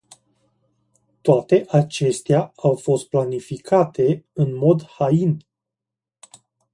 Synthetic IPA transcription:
t̪oat̪e̞ʔat͡ʃe̞st̪eaawfo̞st̪̚planifikʰat̪e̞ɨnmo̞d̪hain

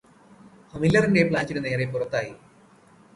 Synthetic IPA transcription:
hɐmilːɐrinde̞pɭaːt͡ɕːinne̞ːrepːurɐt̪ːaːji

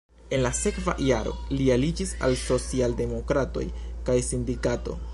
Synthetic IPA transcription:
e̞nlase̞kva̰jaɾo̞̰lialid͡ʒisa̰lso̞t͡sialde̞mo̞kɾato̞̰jkajsindikato̞̰

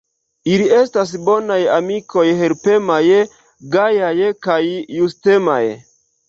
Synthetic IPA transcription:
ilie̞stas̬bo̞najamikʰo̞jheɾpe̞maje | ɡajajkajːuste̞ma̰j

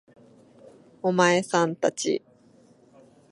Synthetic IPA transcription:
omaesãnt̪at͡ɕḭ

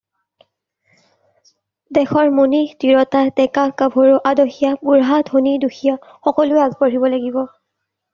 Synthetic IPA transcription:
dɛxɔɹmunitiɹɔtatɛkakabʱoɹuʔadoxijapuɹɦadʱoniduxija | xɔkɔlʊeazbɔɹibɔlaɡibɔ

